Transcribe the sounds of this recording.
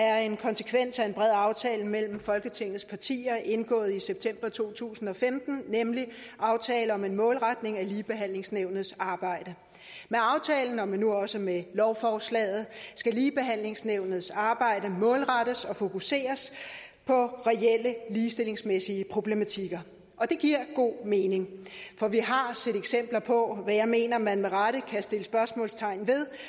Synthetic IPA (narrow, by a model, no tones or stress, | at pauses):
æɐe̝nkʰɒ̽nsə̥kʰʋen̰sæe̝nb̥ʁɛð̰ˠɑ̈ʊt͡sʰɛːləmel̰m̩fɒ̽lɡ̥ət͡sʰe̝ŋ̰ð̩ˠspʰɑ̈t͡sʰḭːɐʔe̝nɡ̥ɔ̰̽ːð̩ˠiseb̥̚t͡sʰem̰b̥ɐt͡sʰo̝̰ːt͡sʰṵːsn̩ɒ̽femd̥n̩nemliʔɑ̈ʊt͡sʰɛːləɒ̽me̝nmɔ̽ːlʁad̥ne̝ŋæliːb̥e̝ɦæn̰le̝ŋsneʊnð̩ˠsɑ̈ːb̥ɑ̈ɪ̰d̥ə | meɑ̈ʊt͡sʰɛːln̩ɒ̽menuɒ̽səmelɒʊfɒːslɛ̰ːð̞̩ˠsɡ̥æliːb̥e̝ɦæn̰le̝ŋsneʊnð̩ˠsɑ̈ːb̥ɑ̈ɪ̰d̥əmɔ̽ːlʁaɾ̥əsɒ̽fo̝kʰuse̝̰ːɐs | pʰɒ̽ʁɛeləliːsd̥e̝le̝ŋsmesiəpʰʁo̝b̥lemæt͡sʰiɡ̥ɐ | ʔɒ̽d̥e̝ɡ̥iɐ̰ɡ̥o̝̰ːme̝ːne̝ŋfɒ̽ʋiɦɑ̈sed̥eɡ̥sem̰b̥lɐpʰɒ̽ʋæjɑ̈ɪme̝̰ːnɐmænmeʁaɾ̥əkʰæsd̥e̝ləsb̥ɶɐsmɔ̰̽ːlst͡sʰɑ̈ɪnʋe̝ðˠ